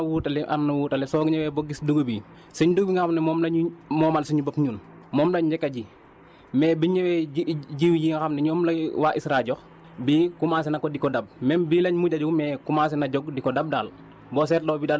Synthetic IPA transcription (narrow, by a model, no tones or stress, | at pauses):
wuːtalɛʔa̰nːɐwuːtɐlɛsɔɡɲɛwɛboɡisduɡobi | siɲduɡbiŋaxamnɛmɔːmlɐmɔːmalsiɲubɐpɲuːn | mɔːmlɐɲd͡ʒɛkːɐɟi | mɛbiɲɛwɛɟiwjiŋaxamnɛɲɔmlɐwaʔisɾaɟɔx | bikumaːs̬inɐkɔdikɔdab̚mɛnbilɐɲmuɟad͡ʒumɛːkumas̬inɐɟɔɡ̚dikɔdɐb̚daːl | bɔsɛːtdoːbidal